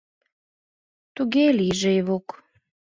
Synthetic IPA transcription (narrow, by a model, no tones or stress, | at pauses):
t̪uɣeliʒejβok